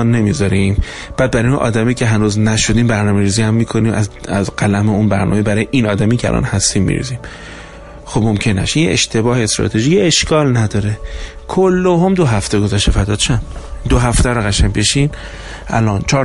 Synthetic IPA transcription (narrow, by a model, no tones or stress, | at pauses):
nːe̞mizɒɾim | b̥æːd̪̚bæɾijʔɒ̰ːd̪æmiːcʲʰe̞ɦænuːznæʃo̞d̪iːmbæɾnɒːmeɾiːzihæmːiːkʰoniːmʔæzæzɡælæmeunbæɾnɒ̰mebæɾɒːjeʔiːnɒːd̪æmiːcʰeæ̰lɒ̰nhæst̪iːmːḭɾḭːziːm | xobmomcʰe̞nːæ̰ʃijeḛʃt̪ʰe̞bɒːheest̪ɾɒ̰t̪ʰe̞ʒiːcʰeeʃkʰɒːlnæd̪ɒːɾe | kʰolːoɦomd̪oɦæft̪eɡo̞zæʃt̪efæd̪ɒːt̪t͡ʃʰæmd̪oɦæft̪æɾoɣæʃæmbe̞ʃin | ʔæ̰lɒnt͡ʃʰɒː